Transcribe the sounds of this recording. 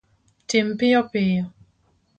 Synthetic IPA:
tempijɔpejɔ

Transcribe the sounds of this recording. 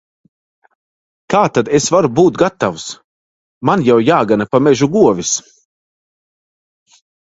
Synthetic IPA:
k̪aːt̪ad̪esvaɾubuːt̪̚ɡat̪ːavus | manjawjaːɡanapamɛʒuɡuɔvʲis

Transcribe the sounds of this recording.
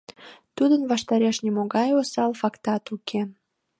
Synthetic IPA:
t̪ud̪ənβɑʃt̪ɑɾeʃnimoɣɑjosɑlfɑkt̪ɑt̪ukʰe

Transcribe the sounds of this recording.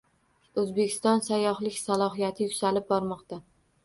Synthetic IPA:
ɵzbekʲʰɪ̥st̪ɒnsajɒhlɪkʲsalˠɒɦijat̪ʰɪjʊʊ̥salɪp̚bɒɾmɒqt̪a

